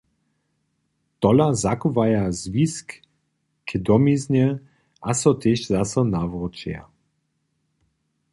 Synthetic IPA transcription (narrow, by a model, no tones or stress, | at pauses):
t̪ɔlazakuvajazvisk | kʰɛd̪ɔmizɲɛ | asɔt̪eʃzasɔnavʁɔt͡ʃja̰